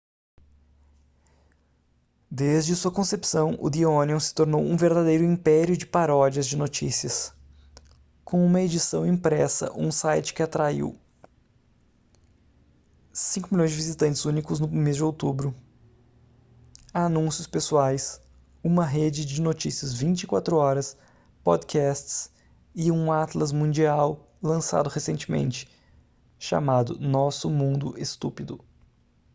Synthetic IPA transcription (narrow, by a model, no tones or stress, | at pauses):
d̪ezd͡ʒɪsuɐkõsepsɐ̃w̃ʔʊ̰d̪ioniõsɪ̥t̪oɾnowũveɾd̪ad̪ejɾʊĩpɛɾjʊd͡ʒɪpaɾɔd͡ʒiɐzd͡ʒɪnot͡ʃisiɐs | kõũmɐed͡ʒisɐ̃w̃ĩpɾɛsɐ̰ʔũsajt͡ʃɪ̥kɪat̪ɾaḭw | sĩŋkʊmiljõj̃zd͡ʒɪvizit̪ɐ̃nt͡ʃɪzũnikʊznʊmezd͡ʒɪowt̪ubɾʊ | anũsjʊspesuajs | ũmɐɦed͡ʒɪd͡ʒɪnot͡ʃisiɐzvĩnt͡ʃɪikwat̪ɾʊɔɾɐs | pɔd̪kʰɛst͡ʃs | ɪũat̪lɐzmũd͡ʒiaw | lɐ̃sa̰d̪ʊhesẽnt͡ʃɪmḛ̃nt͡ʃɪ̥ | ʃa̰mad̪ʊ̰nɔsʊmũnd̪ʊ̰ʔest̪upid̪ʊ